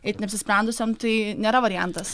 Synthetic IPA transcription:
ɛɪt̪nʲɛpsʲɪsʲpʲɾʲɛnd̪ʊsʲomt̪ɐɪnʲeːɾɐʋɐɾʲɪjænt̪ɐs

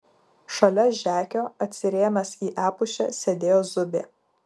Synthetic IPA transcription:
ʃɐlʲɛʒʲæːkʲoːɐt̪ʲsʲɪɾʲeːmʲɛsiːʔæːpʊʃʲɛ̰sʲed̪ʲeːjoːzʊbʲḛː

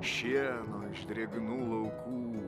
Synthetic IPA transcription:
ʃʲiɛnoɪʃd̪ʲɾʲeːbʲɪnuːlˠɐʊkʰuː

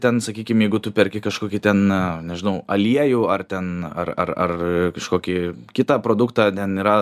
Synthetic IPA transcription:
t̪ʲɛnsɐkʲiːkʲɪmjɛɪɡʊt̪ʊpʲɛɾʲkʲɪkɐʃkoːkʲɪt̪ʲɛnnʲɛʒʲɪnɐʊɐlʲiɛjuːɐrt̪ʲɛnɐrɐ̰rɐrkɐʃkoːkʲɪkʲɪt̪ɑːpɾoːd̪ʊkt̪ɑːt̪ʲɛniːɾɐ

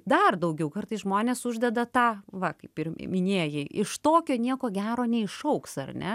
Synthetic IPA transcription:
d̪ɐrd̪ɐʊɡʲɛʊkɐrt̪ɐɪsʒmoːnʲeːsʊʒʲd̪ʲɛd̪ɐt̪ɑːʋɐkɐɪpɪrmʲɪnʲeːjɛɪʔɪʃt̪oːkʲoːnʲiɛkoːɡʲæːɾoːnʲɛɪʃɐʊksɐrʲnʲɛ

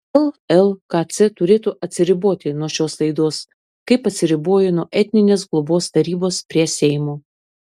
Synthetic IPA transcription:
ɛlˠɛlˠkɑt̪sʲɛt̪ʊɾʲeːt̪uːʔɐt̪ʲsʲɪɾʲɪboːt̪ʲɪnuɔʃʲoːslˠɐɪd̪oːs | kɐɪpɐt̪ʲsʲɪɾʲɪboːjʊnuɔʔɛt̪ʲnʲɪnʲeːs̬ɡlˠʊboːst̪ɐɾʲiːboːspʲɾʲiɛsʲɛɪmoː

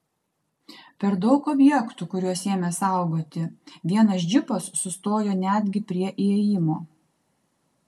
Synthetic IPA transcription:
pʲɛɾd̪ɒʊkɔbʲjɛkt̪uːkʊɾʲuɔseːmʲesɑˑʊɡoːt̪ʲɪʋʲiɛnɐsd͡ʒʲɪpɐsːʊst̪oːjoːnʲæːd̪ʲɡʲɪpʲɾʲiɛʔeɛjɪmoː

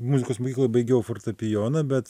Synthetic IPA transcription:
mʊzʲɪkoːsmoːkʲiːklˠoːjbɐɪɡʲeːjʊfort̪ɐpʲɪjoːnɐbʲɛt̪

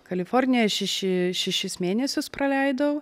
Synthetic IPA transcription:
kɐlʲɪfoɾʲnʲɪjɛʃʲɛʃʲɪʃʲɛʃʲɪsmʲeːnʲɛsʲʊspɾɐlʲɛɪd̪ɐʊ

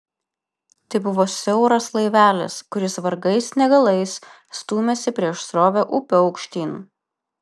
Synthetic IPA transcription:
t̪ɐɪbʊʋoːsʲɛʊɾɐslˠɐɪʋʲæːlʲɛ̰skʊɾʲɪsʋɐɾɡɐɪsnʲɛɡɐlˠɐɪsː | t̪uːmʲesʲɪpʲɾʲiɛʃsɾoːʋʲoːʔʊpʲoːɒʊkʃʲt̪ʲiːnu

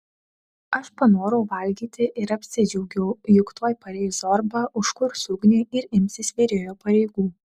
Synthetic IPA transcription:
ɐʃpɐnoːɾoʊʋɐlʲɡʲiːt̪ʲɪʔɪɾɐpʲsʲɪd͡ʒʲɛʊɡʲɛʊjʊkt̪oːjpɐɾʲɛɪzoːɾbɑʔʊʃkʊɾsʲʊɡnʲeːɪɾɪmʲsʲɪsʋʲeɾʲoːjoːpɐɾʲɛɪɡuː

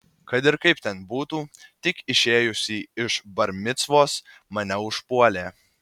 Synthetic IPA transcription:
kɐt̪ɪɾkɐɪpt̪ʲɛnbuːt̪uːt̪ʲɪkɪʃʲeːjʊsʲiːɪʃbɐɾʲmʲɪt̪sʋoːs | mɐnʲɛʊʃpuɔlʲeː

